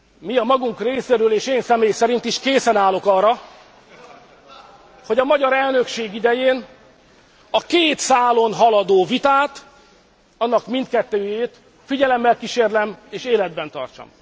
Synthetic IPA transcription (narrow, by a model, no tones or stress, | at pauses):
miɒmɒɡuŋkreːseːɾøːleːʃeːnsɛmeːjsɛɾin̪t̪iʃkeːsɛnaːlo̞kɒrːɒ | ho̞ɟɒmɒɟɒɾɛlnø̞kʃeːɡid̪ɛjeːn | ɒkeːt̪saːlo̞nɦɒlɒd̪oːvit̪aːt̪ | ɒnːɒkmint̪̚kɛt̪ːøːjeːt̪ | fiɟɛlɛmːɛlkiʃeːrlɛmeːʃeːlɛd̪̚bɛnt̪ɒ̰rt͡ʃɒ̰m